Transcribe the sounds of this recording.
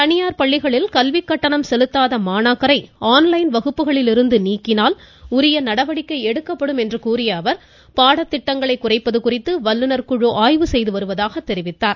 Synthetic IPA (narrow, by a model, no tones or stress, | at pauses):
t̪ɐɳɪjaːɾpɐɭːɪɣɐɭɪlkɐlʋɪkːɐʈːɐɳɐmsɛlɯt̪ːaːðɐmaːnaːkɐɾɐɪaːnlɐɪnʋɐɣɯpːɯɣɐɭɪlɪɾɯnd̪ɯniːkːɪnaːl | ʊɾɐjɐnɐɽɐʋɐɽɪkːɐɪɛɽɯkːɐpːɐɽɯmɛndrɯkuːrɪjɐːʋɐɾ | paːɽɐt̪ːɪʈːɐŋɡɐɭɐɪkːʊrɐɪpːɐðɯkʊrɪt̪ːɯʋɐlːɯnɐɾkʊɻoːʔaːjʋɯsɛjðɯʋɐɾɯʋɐðaːɣɐt̪ːɛɾɪʋɪt̪ːaːɾ